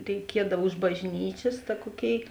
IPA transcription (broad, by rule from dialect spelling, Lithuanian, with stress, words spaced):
rʲɛɪˈkʲiɛdɐw ʊʃ bɐʒʲˈnʲiːt͡ʃʲeːs tɐ ˈkuɔˌkʲeːɪ